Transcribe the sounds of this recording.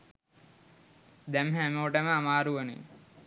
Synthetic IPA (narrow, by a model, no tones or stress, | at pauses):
d̪ɛmɦæmoːʈəməamaːɾuʋənḭ